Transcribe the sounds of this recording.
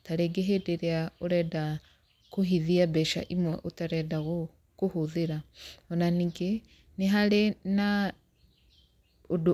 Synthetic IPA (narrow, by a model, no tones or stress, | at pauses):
taɾeɡeɦedeɾeaoɾɛda | koɦiðiabɛʃa̰ʔimwɛʔotaɾɛdaɣo | kohoðeɾaɔnaniŋɡe | neɦaɾena | odo